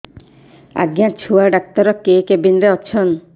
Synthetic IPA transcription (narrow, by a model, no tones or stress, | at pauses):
a̰ɡjat͡ʃʰuaɖak̚t̪ɔɾɔkekebinɾeɔt͡ʃʰɔn